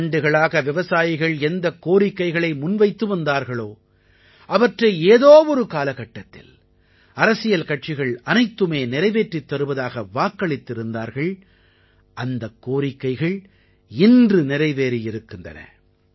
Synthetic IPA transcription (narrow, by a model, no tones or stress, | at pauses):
ɳɖɯɣɐɭaːɣɐʋɪʋɐsaːjɪɣɐɭɛnd̪ɐkːoːɾɪkːɐɪɣɐɭɐɪmʊnʋɐɪt̪ːɯʋɐnd̪aːɾɣɐɭoː | ʔɐʋɐʈrɐɪeːðoːɔɾɯkaːlɐɣɐʈːɐt̪ːɪ̰l | ɐɾɐsɪjɐlkɐʈ̚t͡ʃɪɣɐɭɐnɐɪt̪ːɯmeːnɪɾɐɪʋeːʈrit̪ːɐɾɯʋɐðaːɣɐʋaːkːɐɭɪt̪ːɪɾɯnd̪aːɾɣɐɭ | ʔɐnd̪ɐkːoːɾɪkːɐɪɣɐɭ | ɪndrɯnɪɾɐɪʋeːɾijɪɾɯkːɯndrɐ̰nɐ̰